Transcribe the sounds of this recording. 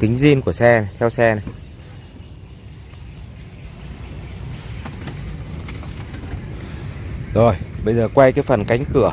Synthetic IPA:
t̪ï˨˦ŋ̟zi˧ənku˧˩əsɛ˧na˨˩t̪ʰɛ˧wsɛ˧na˨˩ | zo˨˩jɓə˧jzəː˨˩kwa˧jkaː˨˦jfə˨˩nka˨˦ŋ̟kɨ˧˩˨ə

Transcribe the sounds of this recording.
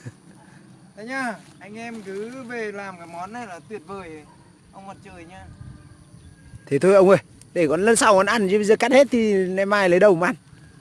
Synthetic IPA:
t̪ʰa˨˦ɲaː˧˩ʔa˧jŋ̟ʔɛ˧mkɨ˨˦ve˨˩laː˨˩mkaː˨˦jmɔ˨˦nːa˧˩jlaː˨˩t̪wi˨˩ət̚vəː˨˩j | ʔə˧wŋ͡mmɔ˨˩t̚t͡ɕəː˧˩jɲaː˧ | t̪ʰe˨˦t̪ʰo˧jʔə˧wŋ͡mʔə˧˩j | ɗe˧˩kɔ˨˦nlə˧˦nsaː˧wkɔ˨˦nʔa˧˩nzi˧˦ɓə˧zəː˨˩ka˦˥t̚he˦˥t̚t̪ʰi˧nɛ˧mːaː˧jlə˨˦jɗə˨˩wma˨ʔa˧˩n

